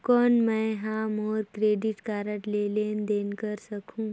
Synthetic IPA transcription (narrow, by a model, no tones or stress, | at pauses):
kɔːnmɛ̃ɦãmɔːɾkɾeːɖɪʈkaːɾəʈleleːnd̪eːnkəɾsəkʰũː